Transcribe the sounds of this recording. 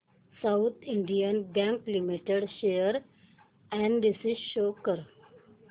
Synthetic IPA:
saʊt̪ʰɪ̃ɳɖijə̃nbɛ̃ŋklimiʈeɖʃejəɾ | ɛ̃ɳɖɖisiʃoːkəɾ

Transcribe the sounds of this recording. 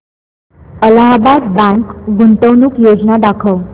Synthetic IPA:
əlaɦbad̪bãŋkɡunt̪əwnuːkjod͡znad̪akʰəw

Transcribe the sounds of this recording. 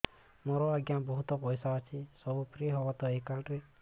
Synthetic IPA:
moɾɔaɡjabɔɦut̪ɔpɔjsaɔt͡ʃʰisɔbupɾiɦɔbɔt̪ɔekalʈɾe

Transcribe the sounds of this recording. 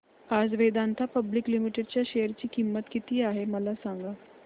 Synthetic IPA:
ad͡zʋed̪ant̪ʰapəbliklimiʈeɖt͡ɕjaɕejəɾt͡ɕiːkimːət̪kit̪iːaɦeməlasaŋɡa

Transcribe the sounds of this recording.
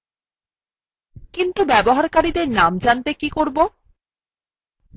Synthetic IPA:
kint̪ubɛboɦaɾkaɾid̪eɾnamd͡ʑant̪ekikoɾbo

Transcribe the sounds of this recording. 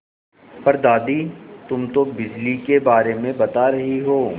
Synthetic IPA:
pɐɾd̪aːd̪it̪ʊmt̪obɪd͡ʒlikebaːɾemẽbɐt̪aɾɐɦiɦoː

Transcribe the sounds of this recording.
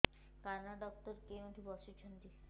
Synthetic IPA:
kaɾnaɖɔk̚t̪ɔɾkeoʈʰibɔʃut͡ɕʰont̪i

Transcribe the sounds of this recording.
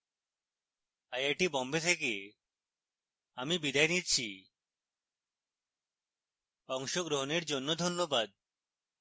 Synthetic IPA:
ajaʈibɔmbet̪ʰeke | amibid̪ajnitt͡ɕʰi | ɔŋʃoɡɾoɦoneɾd͡ʑonːod̪ʱonːobad̪̚

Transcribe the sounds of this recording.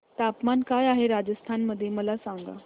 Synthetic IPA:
t̪apmankajaɦeɾad͡zəst̪ʰanməd̪ʱːjeməlasaŋɡa̰

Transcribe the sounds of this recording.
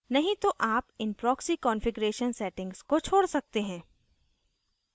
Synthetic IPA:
nɐɦĩt̪oʔaːpɪnpɾɔːksikɔ̃ːnfɪɡɾeːʃənsɛːʈɪ̃ŋɡz̥kot͡ʃʰoːɽsɐk̚t̪eɦɛ̃ː

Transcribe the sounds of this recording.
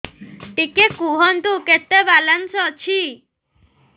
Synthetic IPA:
ʈikekuɦɔnt̪uket̪ːebalansɔt͡ʃʰi

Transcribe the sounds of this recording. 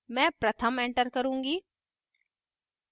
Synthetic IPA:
mɛ̃ːpɾət̪ʰəmẽːɳʈəɾkəɾũːŋɡiː

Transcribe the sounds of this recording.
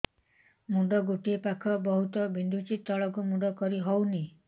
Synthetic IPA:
muɖɔɡuʈiepakʰɔbɔɦut̪ɔbind̪ʱut͡ʃit̪ːɔɭɔkumuɖɔkɔɾiɦɔwni

